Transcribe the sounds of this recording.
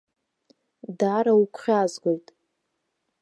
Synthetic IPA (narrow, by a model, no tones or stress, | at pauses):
daɾaukʷʰχʲazɡʷojtʼ